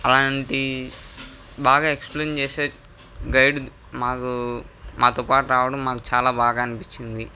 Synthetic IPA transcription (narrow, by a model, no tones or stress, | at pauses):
ɐlaːɳʈi | baːɡaːekspleːnt͡ʃeːseː | ɡɐjɖ | maːkumʔaːt̪oːpaːʈuɾaːʋɐɽɐmːaːku̥t͡ʃaːlaːbaːɡaːɐnipit͡ʃːind̪i